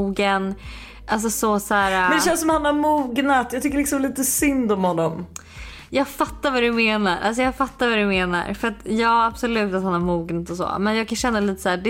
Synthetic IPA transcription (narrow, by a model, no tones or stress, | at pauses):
uːɡən | ʔals̬ɔsɔsæːɾamɛnd̪ɛɛɕɛnsɔmahanhaɾmuːɡnat̪jɑɡt̪ʰʏkːəɾɭɪksɔmliːt̪əsʏnd̪ɔmhɔnːɔm | jɑːɡfat̪ːaɾvad̪ɵmeːnaɾʔa̰ls̬ɔjɑːɡfat̪ːaɾvad̪ɵmeːna̰ɾfœɾat̪jɑːab̥sɔlʉ̟ːt̪at̪hanaɾmuːɡnat̪ɔsɔ̰ːmɛnjɑːɡkʰanɕɛnːaliːt̪ə̥sæːdɛ